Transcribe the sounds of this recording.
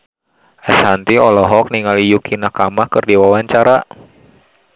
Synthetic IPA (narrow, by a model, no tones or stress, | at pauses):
ʔɛshant̪iɔlɔɦɔk̚niŋalijukʰinakamahkərdiwawaɲt͡ʃaɾa